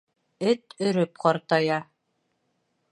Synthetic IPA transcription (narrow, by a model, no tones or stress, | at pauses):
ɘt̪ɵ̆ɾɵp̚qɑɾt̪ɑjɑ